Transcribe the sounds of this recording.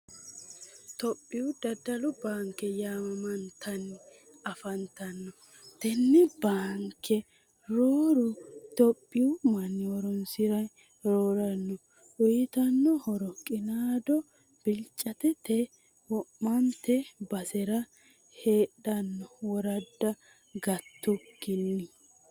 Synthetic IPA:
t̪ɔpʼːɪʊd̪ɐd̪ɐlʊbaːŋkːɛjaːmɐmɐnt̪ʰɐnːɪ | ɐfɐnt̪ɐnːɔ | t̪ɛnːɛbaːŋkʰːɛ | ɾoːɾʊt̪ɔpʼːɪʊmɐnːɪwɔɾɔnsɪɾɐ | ɾoːɾɐnːɔ | ʔʊjɪt̪ɐnːɔhɔɾɔkʼɪnaːd̪ɔ | b̥ɪlt͡ʃʼːɐt̪ɛt̪ɛ | wɔmːɐnt̪ɛbɐsɛɾɐ | heːɗɐnːɔwɔɾɐd̪ːɐ | ɡɐt̪ːʊɡɪnːɪ

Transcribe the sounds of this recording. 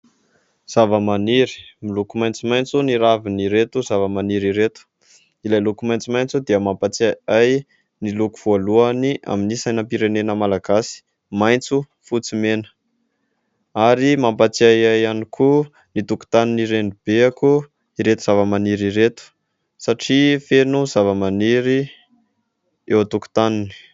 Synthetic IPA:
z̥avəmaniɾi̥milukumajnt͡simajnt͡suniɾaviniɾet̪uzavəmaniɾiɾet̪u̥ | ilajlukumajnt͡simajnt͡sud̪iəmampat͡saaj | nilukuv̥ualuania̰minisajnəpiɾenenəmalaɡasi̥ | majnt͡su | fut͡simenə̥ | aɾimampat͡siajajanikʰu | nit̪uku̥t̪aniniɾenib̥eaku | iɾet̪uz̥avəmaniɾiɾet̪u̥ | saʈ͡ʂifenuzavəmaniɾi | ewt̪uku̥t̪anini̥

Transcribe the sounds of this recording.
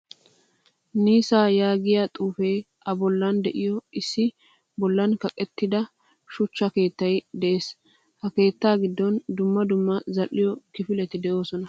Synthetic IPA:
niːsaːjaːɡɪjat̪ʼuːfeː | ɐbɔlːɐnd̪ɛʔɪjɔɪsːɪ | bɔlːɐnkɐkʼɛt̪ːɪd̪ɐ | ʃʊt͡ʃːɐke̞ːt̪ːɐjd̪ɛʔeːs | hɐke̞ːt̪ːaːɡɪd̪ːɔnd̪ʊmːɐd̪ʊmːɐzɐlːɪjɔkɪfɪlɛt̪ɪd̪ɛʔo̞ːsɔnɐ

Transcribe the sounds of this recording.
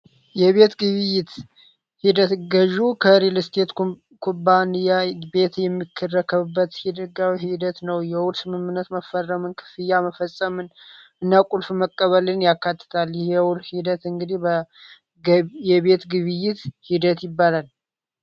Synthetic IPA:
jɛβe̞t̪ɡɨβɨjːɪt̪ | hid̪ət̪ɡəʒukʰəɾilst̪ʰet̪ | kʰobanijabe̞t̪jɛmːikʰːərəkʰəβɨbːət̪hid̪əɡawiɦid̪ət̪nəwjɛwʊlsɨmɨmːɨnːət̪məfərːəmɨnkʰɨ̥fɨjːaməfəsʼəmɨnʔɨnːakʼulfməkʼːəβəlɨnjakːat̪ːɨ̥t̪ʰalhɛwʊlhid̪ət̪ɨŋɡɨd̪ihbə | jɛβe̞t̪ɡɨβɨjːɪt̪hid̪ət̪jɪbːalal

